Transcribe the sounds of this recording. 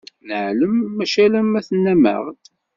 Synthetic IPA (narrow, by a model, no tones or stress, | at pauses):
nəʕləmːæʃæləmæθənːæmə̰ʁt̪